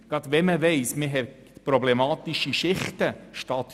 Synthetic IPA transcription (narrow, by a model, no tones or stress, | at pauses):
ɡ̥ɑt̪ʋɛməʋɛɪsmɪɦɛ | pɾɔblɛmɑːt̪iʃiʃɪχtəʃtɑːt̪